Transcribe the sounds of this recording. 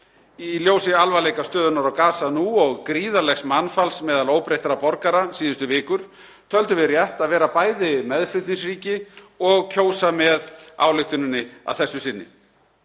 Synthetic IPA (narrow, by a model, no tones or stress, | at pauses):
iljoːwsɪalvalejkast̪œːðʏnaɾawkaːsanuɔɣkɾiːðalɛxsmanfalsmɛːðaloːwpɾejht̪aɾapɔɾkaɾasiːðʏst̪ʏvɪːkʏɾ̥ | t̪ʰœlt̪ʏvɪrjaht̪aðvɛːɾapaːjðɪmɛðfɾɪt̪nisriːcɪ | ɔɣcʰoːwsamɛða̰ːwlʏxt̪ʏnɪnːɪa̰ðθɛsːʏsɪnːɪ̰